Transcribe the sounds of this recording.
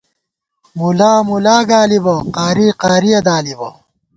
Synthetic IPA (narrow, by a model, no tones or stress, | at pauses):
mulaːmulaːɡaːlibɐqaːɾiːqaːɾijɐd̪aːlibɐ